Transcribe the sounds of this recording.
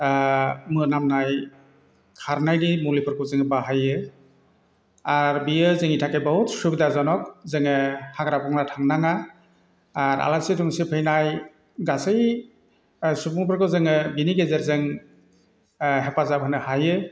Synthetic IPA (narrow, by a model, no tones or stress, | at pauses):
mɯnamnaj | kʰaɾnajdimulipʰɯɾkʰɯzɯŋɯbaɦajɯ | aɾbiɯzɯŋitʰakajbɔhutsubidazɔnɔk̚zɯŋɯhaɡɾabɔŋnatʰaŋnaŋaː | ɾa̰lasitʰɔŋsɯpʰɯjnaj | ɡasɯj | supuŋpʰɯɾkʰɯzɯŋɯbiniɡezeɾzɯŋ | ɦepazapɦɯnɯhajɯ